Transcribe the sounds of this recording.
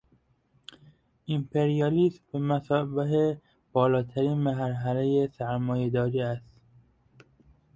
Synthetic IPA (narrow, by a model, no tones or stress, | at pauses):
ʔimpʰeɾijɒliːsbemæsɒːbeɦe | b̥ɒːlɒːt̪ʰæɾiːnmæɦɾɦælejesæɾmɒːjed̪ɒːɾiːæst̪